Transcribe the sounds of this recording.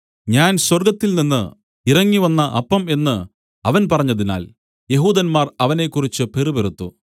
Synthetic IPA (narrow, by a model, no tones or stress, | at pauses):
ɲaːnswɐrɡɐt̪ːilninːɨ | irɐŋːiʋɐnːɐʔɐpːɐme̞nːɨ | ɐʋɐnpɐrɐɲːɐðina̰ːl | je̞ɦuːd̪ɐnmaːrɐʋɐne̞kːurit͡ɕːɨpe̞rubeɾut̪ːu